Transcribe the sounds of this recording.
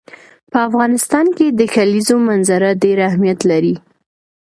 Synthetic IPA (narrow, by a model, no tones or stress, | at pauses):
pəafɣɑnɪst̪ɑnked̪əxalizomanzaɾaɖeɾahmijat̪laɾi